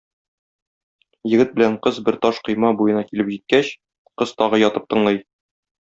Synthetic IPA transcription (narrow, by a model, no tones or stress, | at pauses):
jɘ̆ɡɘt̪̚bɘ̆læɴqɤzbɘɾt̪ɒʃqɤ̆jmɑbujɤ̆nɑkilɘpʑit̪̚kæɕ | qɤz̥t̪ɒʁɤjɒt̪ɤp̚t̪ɤ̆ɴlˠɤj